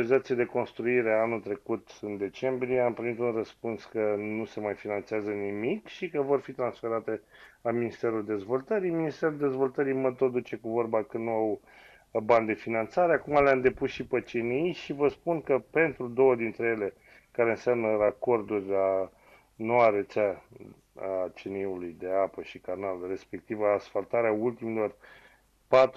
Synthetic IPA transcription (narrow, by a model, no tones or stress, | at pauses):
oɾizat̪sijad̪e̞ko̞nst̪ɾuiɾe̞anult̪ɾe̞kut̪ɨnd̪e̞t͡ʃe̞mbɾijeampɾimit̪unrəspunskənuse̞majfinant̪seazənimikʃikəvo̞rfit̪ɾansfe̞ɾat̪e̞aminist̪e̞ɾuld̪e̞zvo̞lt̪əɾijminist̪e̞ɾuld̪e̞zvo̞lt̪əɾijmət̪od̪ut͡ʃe̞kuvo̞rbakənnuaw | band̪e̞finant̪saɾeakumaleamd̪e̞pusʃipət͡ʃenijʃivəspunkəpe̞nt̪ɾud̪o̞wəd̪int̪ɾe̞je̞le̞ | kaɾe̞ɨnsʲamnərako̞rd̪urʲla | no̞waɾet̪t͡ʃa | at͡ʃeniulujd̪e̞apəʃikanalre̞spe̞k̚t̪ivːsfalt̪aɾeault̪imilo̞r | pat̪